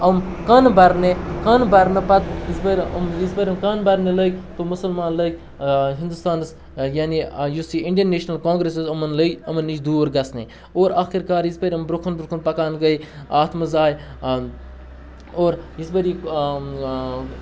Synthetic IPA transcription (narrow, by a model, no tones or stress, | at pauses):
ɐm | kɐnbɐɾnekɐnbɐɾnɐpɐt̪jizbɐɾʲɐmjizpɐɾʲɐmkɐnbɐɾneləɡʲt̪omusɐlmaːnləɡʲ | ɦind̪ust̪aːns | jaːnijusiːiɳɖəneːʃnɐlkõːŋɡɾesizɐmɐnləɡʲɐmɐnːit͡ʃd̪uːɾɡɐsnḛ | oːɾaːxiɾkaːɾjizpɐɾʲɐmbɾukʰunbɾukʰunpɐkaːnɡɐj | aːt̪ʰmɐzaːj | oːɾjizbɐɾi